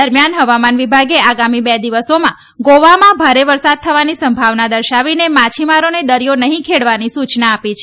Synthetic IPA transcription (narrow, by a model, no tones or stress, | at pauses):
əɾmjanɦəʋamanʋibʱaɡeaɡamibɛd̪iʋəsomã | ɡoʋamãbʱaɾeʋəɾsad̪̚t̪ʰəʋanisəmbʱaʋnad̪əɾʃaʋinemãt͡ʃʰimaɾoned̪əɾijonəɦĩkʰeɽʋanisut͡ʃnaːpit͡ʃʰ